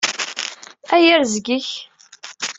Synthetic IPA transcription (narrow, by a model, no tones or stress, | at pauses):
æjəɾzɡiç